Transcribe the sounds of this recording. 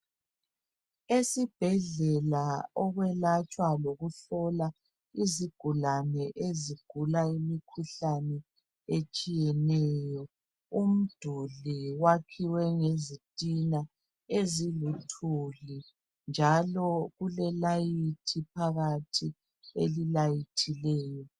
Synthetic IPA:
esib̥ʱɛɮɛlaɔɣwɛlat͡ʃʼwaloɣuɬɔla | iziɡ̥ʱulanɛʔeziɡ̥ʱulaimikʰuɬanɛ | et͡ʃʼijɛnɛːjɔ | um̩d̥ʱuliwakʰiwɛŋezitʼina | ezilutʰuli | nd͡ʒʱalɔɣulɛlajitʰip̚ʰaɣatʰi | ḛlilajitʰilɛːjɔ

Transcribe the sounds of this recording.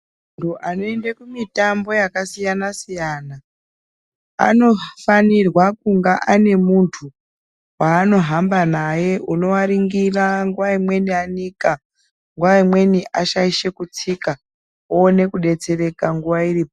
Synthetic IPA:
muntʰuʔano̞e̞ndekumitambo̞jakasijanasijana | a̰no̞fanirwakuŋɡaʔane̞muntʰu | waːno̞ɦambanaje̞uno̞waɾiŋɡiraŋɡuʋaimwe̞nianika | ŋɡuʋaimwe̞niʔaʃaiʃe̞kut͡sika | oːne̞kuɗe̞t͡se̞re̞kaŋɡuʋairiːpo

